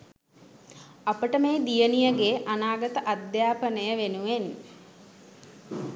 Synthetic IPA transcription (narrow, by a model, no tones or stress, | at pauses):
apəʈəmeːd̪ijənijəɡeʔanaːɡət̪əʔad̪jaːpənəjəʋenuʋen